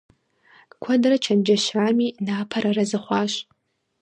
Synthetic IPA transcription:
kʷʰɐdrɐt͡ʃʰɐnd͡ʒɐʃaːmiːnaːpʰɐɾɐrɐzɨχʷɑːʃ

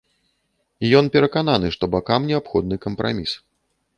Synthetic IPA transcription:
ijɔnpʲɛɾɐkananɨʂt̪ɔbakamnʲɛapxɔd̪̚nɨkɐmpɾa̰mʲis

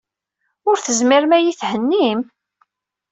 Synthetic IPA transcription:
ʊɾθəzmiɾmæjiθhənːim

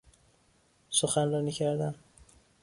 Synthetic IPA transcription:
soxænrɒːnicʰæɾd̪æn

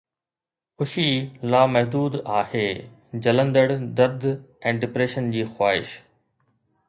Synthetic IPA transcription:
xʊʃilaːmɐɦd̪uːd̪aːheː | d͡ʑɐlə̃nd̪əɽd̪ɐɾd̪ɛ̃ːɖɪpɾeːʃənd͡ʑiːxwaːɪ̰ʃ

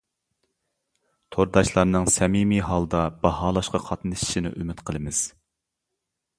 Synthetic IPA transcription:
t̪ʰoɾd̪ɑʃlˠɑɾnɨŋsɛmimiɦɑlˠd̪ɑbɑhɑːlˠɑʃqɑqʰɑt̪nɨʃʃinɪ̰ʔymɪt̪qʰəlˠɨmɨz̥

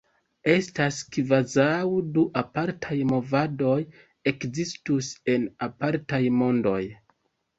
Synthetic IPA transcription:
e̞staskvazawduʔapaɾtʰajmo̞vado̞j | e̞kzistuse̞napaɾtajmo̞ndo̞̰j

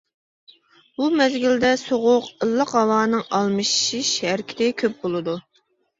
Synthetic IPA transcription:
bumɛzɡʲild̪ɛsoʁʊqəlˠːəqɦɑwɑːnɨŋɑlˠmɨʃʃiʃæɾkʲʰi̥t̪ɪkʲʰøp̚bolˠɨd̪u

